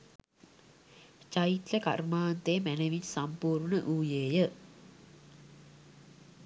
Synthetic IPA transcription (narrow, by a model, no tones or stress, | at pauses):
t͡ʃait̪ləka̰rmaːnt̪emæneʋiɲsampuːrɳəʔuːjeːjə